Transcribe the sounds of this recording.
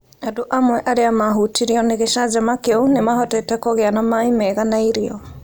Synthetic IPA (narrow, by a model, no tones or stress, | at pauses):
adoʔamwɛʔaɾeamaɦutiɾiɔneɣeʃad͡ʒamakeonemahɔtɛtɛkɔɣeanamaimɛɣanaiɾiɔ